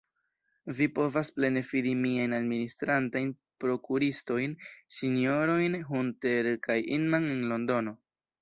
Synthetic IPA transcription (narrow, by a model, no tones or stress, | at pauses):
vipo̞vasple̞ne̞fidimiajnadministɾantajn | pɾo̞kuɾisto̞jnsinio̞ɾo̞jnɦunte̞ɾkʰajinmanenlo̞ndo̞no̞